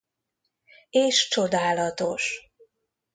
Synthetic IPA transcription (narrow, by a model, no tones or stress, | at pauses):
eːʃt͡ʃo̞d̪aːlɒt̪o̞ʃ